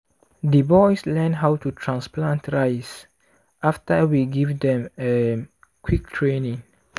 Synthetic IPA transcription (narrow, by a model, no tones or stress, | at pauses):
dibɔjslɛnɦawtutʰɹãnsplãntʰɹajs | ʔaftəwiɡivdɛ̃me | kʰwik̚tʰɹenĩŋ